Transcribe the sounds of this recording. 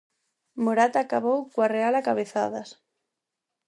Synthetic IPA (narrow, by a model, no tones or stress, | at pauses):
moɾat̪akaβowkwarealakaβeθaðas